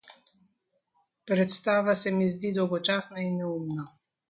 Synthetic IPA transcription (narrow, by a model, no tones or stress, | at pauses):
pɾɛt̪st̪aːʋasɛmizd̪id̪ɔwɡɔt͡ʃaːsnainːɛumna